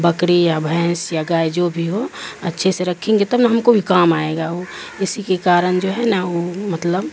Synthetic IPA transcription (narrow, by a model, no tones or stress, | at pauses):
bəkɽijabʱɛ̃ːsjaɡaːjd͡ʒobʱiɦoətːʃʰeseɾəkʰẽŋɡet̪əbnaɦɐmkobʱikaːmaeɡaoɪsikekaːɾənd͡ʒoɦɛnaomət̪ləb